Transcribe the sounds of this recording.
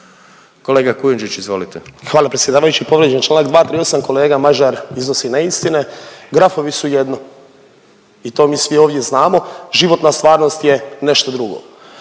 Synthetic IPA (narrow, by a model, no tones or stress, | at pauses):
ko̞leːɡakujund͡ʒit͡ʃizʋo̞lit̪exʋaːlapɾet̪jed̪aːʋajut͡ɕipo̞ʋɾjed͡ʒent͡ʃlˠanaɡd̪ʋaːt̪ɾio̞samko̞leːɡamaʒaɾizno̞sinaist̪ineɡɾafo̞ʋisujed̪no | it̪o̞ːmiːsʋioːʋd̪je̞znaːmo̞ʒiʋo̞t̪nast̪ʋaːɾno̞st̪je̞ne̞ʃt̪od̪ɾuɡo̰